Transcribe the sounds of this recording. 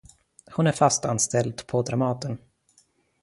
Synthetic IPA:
hʊnæɾfast̪anst̪ɛld̪pʰɔd̪ɾamɑːt̪ən

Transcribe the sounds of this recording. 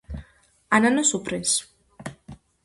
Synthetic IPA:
ananasupɾes

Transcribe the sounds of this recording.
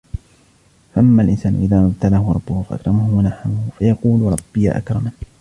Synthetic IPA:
faʔamːaːlʔɪnsaːnʊ̰ʔɪðaːmabt̪alahʊɾˤɑbːʊhʊfaʔa̰kɾˤɑmahʊwanaħamʊhʊfajɑquːlɾˤɑbːɪja̰ʔa̰kɾˤɑma

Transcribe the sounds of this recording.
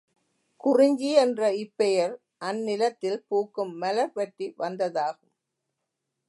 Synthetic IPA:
kʊrɪɲd͡ʒiɛndrɐɪpːɛjɐɾ | ʔɐnːɪlɐt̪ːɪlpuːkːɯmːɐlɐɾpɐʈriʋɐnd̪ɐðaːɣɯm

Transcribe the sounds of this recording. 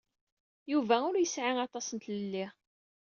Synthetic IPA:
juvæʊɾjəsʕiŋɑt̪ˤɑsənt̪ləlːi

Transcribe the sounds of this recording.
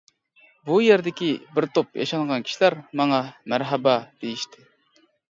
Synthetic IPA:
bujeɾd̪ɪkʲibɪɾt̪ʰop̚jɑ̰ʃɑŋʁɑnkʲʰi̥ʃilæɾmɑŋɑmæɾɦɛbɑd̪̥ejiʃt̪ʰɪ

